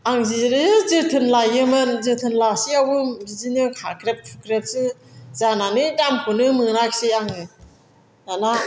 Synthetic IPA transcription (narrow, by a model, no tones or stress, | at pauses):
aŋziɾizɯtʰɯnlajɯmɯnzɯtʰɯnlasiawɯɾizinɯkʰakɾep̚tʰukɾep̚sɯzananɯtamkʰunɯmɯŋɾaksiaŋɯ | nana